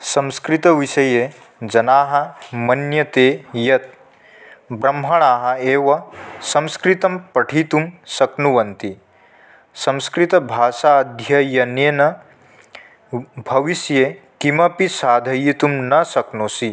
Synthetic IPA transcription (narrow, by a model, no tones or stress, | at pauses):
sɐ̃mskɾit̪ɐʋiʃɐjeː | d͡ʒɐnaːɦɐ̆mɐnjɐt̪eːjɐt̪̚ | bɾɐmɦɐɳ̃aːɦɐ̆eːʋɐsɐ̃mskɾit̪ɐmpɐʈʰiːt̪umsɐknuʋɐnt̪i | sɐ̃mskɾit̪ɐbʱaːʃaːɐd̪ʱjɐjɐneːnɐ | bʱɐʋisjeːkimɐpisaːd̪ʱɐjit̪umnɐsɐknoːsi